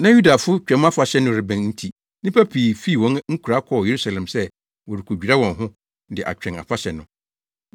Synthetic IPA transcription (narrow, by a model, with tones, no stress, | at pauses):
nã˦ju˦da˨fʊ˦t͡ɕᶣɛ̃˨˦m˦a˦fa˨ɕɛ˦nʊ̃˦ɾɪ˨bɛ̃˨nn̩˦tʰi˨ | nɪ̃˦pʰæ˦pʰiː˨fi˦˨wɔ̃˦nŋ̩˦kʰu˨ɾa˦kʰɔ˨je˨ɾu˦sa˨lɛ̃˨msɛ˦ | wɔ˨ɾɪ˨kʰo˨d͡ʑᶣi˨ɾa˦wɔ̃˨nɦʊ̃˦ | dɪ˨ʔa̰˨t͡ɕᶣɛ̃˨na̰˨fa˦ɕɛ˨nʊ̃˨